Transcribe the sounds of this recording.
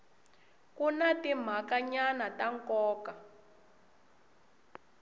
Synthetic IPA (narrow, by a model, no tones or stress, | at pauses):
kunatim̤akaɲanataŋkɔːka